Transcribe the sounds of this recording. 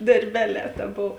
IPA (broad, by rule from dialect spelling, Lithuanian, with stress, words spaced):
dɐrʲˈbʲæːˌlʲɛː tɐ ˈboːw